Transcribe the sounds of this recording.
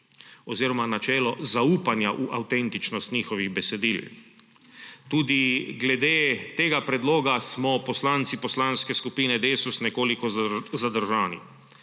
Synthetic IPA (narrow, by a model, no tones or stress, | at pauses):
ɔziːɾɔmanat͡ʃɛːlɔzauːpanjaʔuʔawt̪ɛnt̪it͡ʃnɔst̪ɲiːxɔʋiɣbɛsɛd̪iːl | t̪uːd̪iɡlɛd̪eːt̪eːɡapɾɛd̪loːɡasmɔpɔslaːnt̪sipɔslanskɛskupiːnɛd̪eːsusnɛkoːlikɔzad̪əɾʒaːnḭ